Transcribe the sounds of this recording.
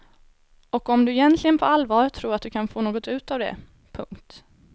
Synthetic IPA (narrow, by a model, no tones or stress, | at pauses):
ɔkɔmd̪ɵɪjɛnt̪ʰlɪɡənpʰɔalːvɑːɾt̪ʰɾuːɾat̪̚d̪ɵkʰanfoːnoːɡɔt̪ʉ̟ːt̪avd̪ɛ̰ | pʰɵ̰ŋkt̪